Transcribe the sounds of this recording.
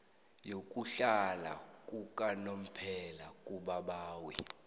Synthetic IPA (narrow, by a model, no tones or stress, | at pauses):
jok̬ʼuɬala̰k̬ʼuk̬ʼanom̩pʰɛlakʼuɓaɓaːwi